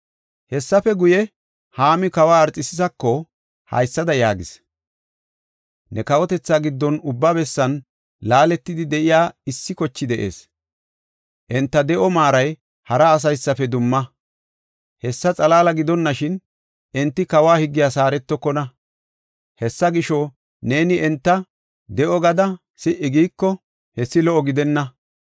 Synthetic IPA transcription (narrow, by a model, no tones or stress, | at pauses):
hɛsːɐfɛɡʊjɛ | haːmɪkɐwaːɐɾt͡sʼɪsɪzɐkːɔ | hɐ̰jsːɐd̪ɐjaːɡɪs | nɛkɐwɔt̪ɛt͡sːaːɡɪd̪ːɔnʊbːabɛsːɐn | laːlɛt̪ːɪd̪ɪd̪ɛʔɪjaːɪsːɪkɔt͡ʃːɪd̪ɛʔḛːs | ʔɛnt̪ːɐd̪ɛʔɔmaːɾɐj | hɐɾɐːs̬ɐjsːɐfɛd̪ʊmːɐ | hɛsːɐt͡sʼɐlaːlɐɡɪd̪ɔnːɐʃɪn | ʔɛnt̪ːɪkɐwaːhɪɡːɪjaːsaːɾɛt̪ːɔkːɔnɐ | hɛsːɐɡɪʃɔ | ne̞ːnɪɛnt̪ːɐ | d̪ɛʔɔɡɐd̪ɐ | sɪʔɪɡiːkːɔ | hɛsːɪlɔʔɔɡɪd̪ɛnːɐ